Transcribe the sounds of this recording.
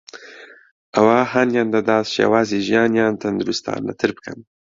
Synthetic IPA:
awɑːhanjɑːnd̪ad̪ɑːst͡ʃja̰wɑːziʒjɑːnjɑːnt̪and̪uɾust̪ʰɑ̰ːnːa̰t̪ʰɨɾp̚kʰan

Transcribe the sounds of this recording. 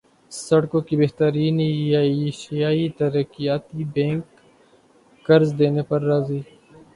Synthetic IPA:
sɐɽkõkibeːɦt̪əɾiːnjaːʃijaːit̪ɐɾəkijaːt̪ibẽːŋk | ɐɾzd̪eːnepɐɾːaːziː

